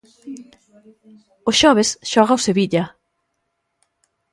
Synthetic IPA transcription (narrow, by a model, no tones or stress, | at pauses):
ʊsʃɔβesʃɔɣaoseβiʎɐ